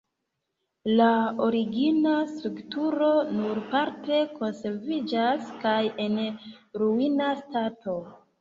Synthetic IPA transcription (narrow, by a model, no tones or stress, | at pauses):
lao̞ɾiɡinastɾuktuɾo̞nuɾpaɾte̞ko̞nse̞ɾvid͡ʒaskaje̞nɾuinastato̞